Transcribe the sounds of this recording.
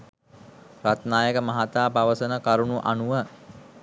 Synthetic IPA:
rat̪naːjəkəmaɦat̪aːpaʋəsənəkaɾunuʔa̰nuʋə

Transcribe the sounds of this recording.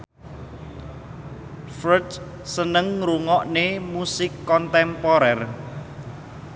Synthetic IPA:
fɾəd | sənəŋɾuŋɔʔnemusɪkːɔnt̪ɛmpɔɾɛr

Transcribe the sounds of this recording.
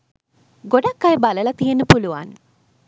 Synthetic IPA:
ɡoɖakːajbaləlɐt̪ijenːəpuluʋa̰n

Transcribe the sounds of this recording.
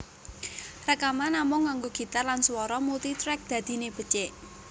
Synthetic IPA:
rəkamanamʊŋːaŋɡoɡ̥i̤t̪arlanswɔɾɔmult̪it̪ɾɛk̚d̪̥ä̤d̪̥i̤neb̥ə̤t͡ʃeʔ

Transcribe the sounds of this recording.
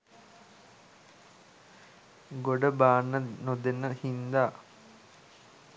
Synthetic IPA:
ɡoɖəbaːnːənod̪enəhind̪aː

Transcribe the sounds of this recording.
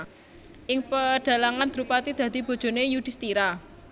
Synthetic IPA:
ʔɪŋpəɖ̥a̤laŋand̪̥iɾupat̪id̪̥ä̤d̪̥i̤b̥o̤d̥d͡ʒ̥o̤nejud̥ist̪iɾa

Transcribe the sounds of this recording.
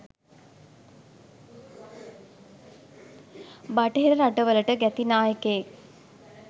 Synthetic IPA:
baʈəɦeɾəɾaʈəʋələʈəɡæt̪inaːjəkəje

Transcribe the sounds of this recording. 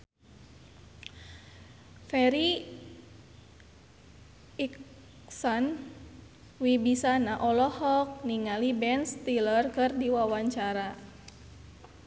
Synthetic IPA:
fɛɾi | ik | sɔn | wibisanaʔɔlɔhɔk̚niŋalibɛnst̪ilərkɨrdiwawaɲt͡ʃaɾa

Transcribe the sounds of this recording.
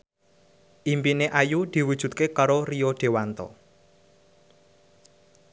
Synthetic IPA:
ʔimpineʔajud̪̥i̤wud̥ʒ̥ṳt̪̚kekaɾorioɖ̪̥e̤want̪ɔ̰

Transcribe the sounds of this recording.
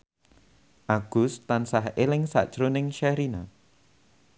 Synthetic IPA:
ʔaɡ̥ʊ̤st̪ansaɦelɪŋsa̰ʔd̥ʒ̥ɾonɪŋʃɛɾina̰

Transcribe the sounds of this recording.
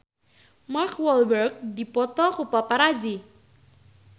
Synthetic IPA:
markwɔlbərɡ̚dipɔt̪ɔkupapaɾazi

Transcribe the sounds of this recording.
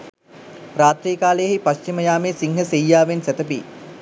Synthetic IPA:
ɾaːt̪ɾiːkaːləjəɦipaɕt͡ʃiməjaːmeːsiŋɦəsejːaːʋensɛt̪əp̬ḭː

